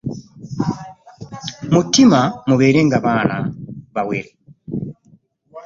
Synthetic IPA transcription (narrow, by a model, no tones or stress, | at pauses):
mutimamuβeːɾeŋɡaβaːnaβaweɾe